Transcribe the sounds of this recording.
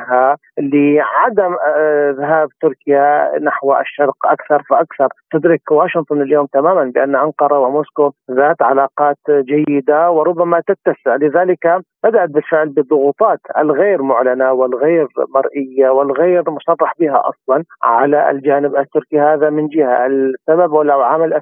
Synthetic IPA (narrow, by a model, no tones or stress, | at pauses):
ɦa | lɪʕad̪amðaɦaːbt̪ʊɾkɪjanaħwa̰ʃːɑɾˤqʔakθɑɾˤfaʔakθɑɾˤt̪ɪd̪ɾɪkwaːʃɪnt̪ˤʊnaljoːmt̪amaːmanbɪʔanːʔɑnqɑɾˤɑwɪmoːskoðaːt̪ʕalaːqɑːt̪d͡ʒajːɪd̪awɪɾˤʊbːamat̪at̪ːasɪʕlɪðaːlɪkab̥ad̪aʔat̪̚bɪlfɪʕlbɨðˤːʊɣuːt̪ˤɑːt̪ʔɪ̰lɣeːɾmʊʕlanawɪlɣeːɾmɑɾˤʔɪjːawɪlɣeːɾmʊsˤɑrˤːɑħbɪɦa̰ʔɑ̰sˤlɑnʕalaʔɪ̰ld͡ʒaːnɪbʔɪt̪ːʊɾkihaːðamɪnd͡ʒɪha̰ʔɪlsːababwɪlːawʕamalʔa